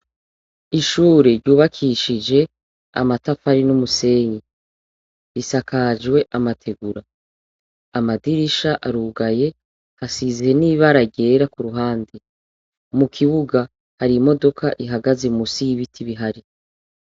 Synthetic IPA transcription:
iʃuːɾeɾɟuːβakʰiʃid͡ʒe̞ | a̰matafaɾinumuse̞ːɲi | ɾisakad͡ʒɡwe̞ʔamatʰe̞ɡuɾaː | madiɾiʃaʔaɾuːɡaje̞ | hasizieniːβaɾaɟe̞ɾakuɾuɦaːnde | mukʰiβuɡa | haɾimo̞do̞kʰaʔiɦaɡazemusiβitʰiβiɦaɾi

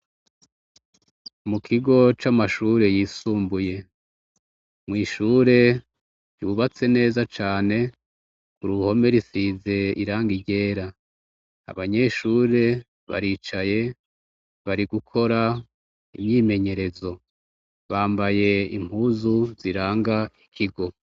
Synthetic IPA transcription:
mukʰiɡo̞t͡ʃamaʃuːɾe̞jiːsuːmbuje̞ | mŋiːʃuːɾe̞ | juβat͡se̞ne̞ːzat͡ʃaːne̞ | kuɾuho̞me̞ɾisize̞iɾaːŋɡiɟe̞ːɾa | a̰βaɲe̞ʃuːɾe̞ | βa̰ɾiːt͡ʃaje̞ | βaɾiɡukʰo̞ɾa | ḭmɲiːme̞ɲe̞ɾe̞zo̞ | βaːmbaje̞ḭm̥huːzuziɾaːŋɡai̥kʰiɡo̞

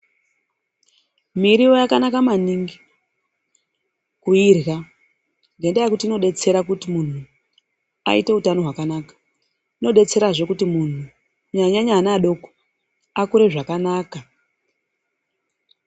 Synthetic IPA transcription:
miɾijo̞jakanakamaniŋɡi | kuirɣa | ŋɡendajekutiːno̞ɗe̞t͡se̞ɾakutimun̤u | a̰ḭte̞utano̞ɦwakanaːkḁ | ino̞ɗe̞t͡se̞ɾaʐe̞kutimun̤u | ɲaɲaɲaːnaɗo̞ko̥ | akuɾe̞ʐakanaːka

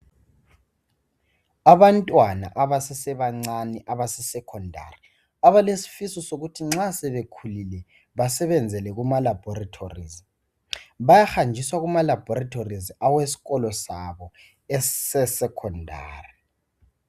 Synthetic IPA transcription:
aβantʼwana̰ʔaβasɛsɛβaŋ͡ǀanɛʔaβasɛsɛkʰɔndʱa̰ri | aβalesi̥fisɔsoɣutʰiŋ͡ǁasɛβekʰulilɛ | βasɛβɛnd͡zʱɛlɛɣumalab̥ʱɔratʰorizi | βajaxand͡ʒʱiswaɣumalab̥ʱɔratʰorizawesi̥ɣɔlɔsaβɔ | ɛsɛsɛkʰɔndʱa̰ːri

